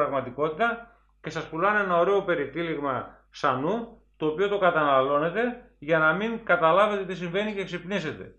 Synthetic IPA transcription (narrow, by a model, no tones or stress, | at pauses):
ɾɐɣmɐt̪iko̞t̪it̪ɐ | ce̞sɐspulɐnenɐo̞ɾe̞o̞pe̞ɾit̪iliɣmɐ | sɐnu | t̪o̞ːpio̞t̪o̞kɐt̪ɐnɐlo̞ne̞t̪e̞ | ʝɐnɐmiŋkɐt̪ɐlɐve̞t̪e̞t̪isiɱve̞niceksipnise̞t̪e̞̰